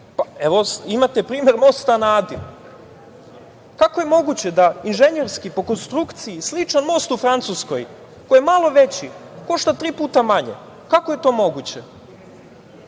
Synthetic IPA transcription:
paeʋo̞imat̪epɾiːme̞ɾmo̞st̪anaːd̪i | kakoje̞mo̞ɡut͡ɕed̪ainʒe̞ɲeɾskipo̞ko̞nst̪ɾukt̪sijislit͡ʃanmo̞st̪ufɾant̪suskoj | kojemalˠo̞ʋe̞t͡ɕiko̞ʃt̪at̪ɾiːpuːt̪amaɲḛ | kako̞je̞t̪o̞ːmo̞ɡut͡ɕe

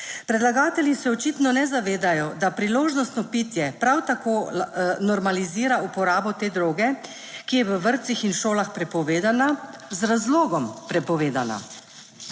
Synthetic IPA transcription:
pɾɛd̪laɡaːt̪ɛljisɛɔt͡ʃit̪nɔnɛzaʋeːd̪ajɔd̪apɾiloːʒnɔst̪nɔpit̪jɛpɾawt̪akoːnɔɾmaliziːɾaupɔɾaːbɔt̪eːd̪ɾoːɡɛ | kijɛʋəʋəɾt̪sixinʃoːlaxpɾɛpɔʋeːd̪anazɾazloːɡɔmpɾɛpɔʋeːd̪ana̰

